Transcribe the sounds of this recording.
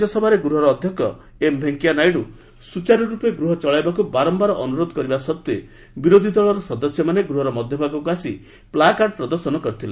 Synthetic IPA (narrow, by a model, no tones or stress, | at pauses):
ɔsɔbʱaɾeɡɾuɦɔɾɔːd̪ʱjɔkjɔ | embʱeŋkijanajɽu | sut͡ʃaɾɔɾupeɡɾuɦɔt͡ʃɔɭajbakubaɾɔmbaɾɔʔɔnuɾod̪ɔkɔɾibasɔt̪ːe | biɾod̪ʱid̪ɔɭɔɾɔsɔd̪ɔsjɔmaneɡɾuɦɔɾɔmɔd̪ʱjɔbʱaɡɔkuasi | plakaʈ̚pɾɔd̪ɔɾsɔnɔkɔɾit̪ʰila